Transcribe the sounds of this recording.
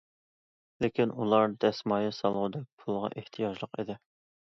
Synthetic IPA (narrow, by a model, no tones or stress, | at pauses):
lɪkʲinulˠɑɾd̪ɛsmɑːjisɑlˠʁʊd̪ɛk̚ʲpʰulˠʁɑ̰ʔeht̪ʰijɑʒlˠəqid̪ɪ